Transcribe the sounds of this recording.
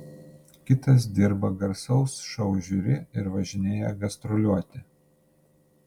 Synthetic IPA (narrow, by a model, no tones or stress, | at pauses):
kʲɪt̪ɐs̬d̪ʲɪɾbɐɡɐɾsɐʊsʃɐʊʒʲuɾʲɪɪɾʋɐʒʲɪnʲeːjɛɡɐst̪ɾɔlʲuɔt̪ʲɪ